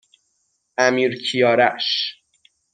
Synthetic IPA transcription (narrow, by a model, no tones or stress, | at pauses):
ʔæmiːɾcʰijɒːɾæʃ